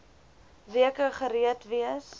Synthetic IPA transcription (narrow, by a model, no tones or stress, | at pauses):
viəkəχəɾiətviəs